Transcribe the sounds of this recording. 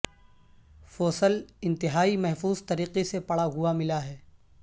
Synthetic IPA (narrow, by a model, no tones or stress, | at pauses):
fɔːsəlɪ̃nt̪ɪɦaːimɛɦfuːzt̪ɐɾiːqesepɐɽaɦuamɪlaɦɛː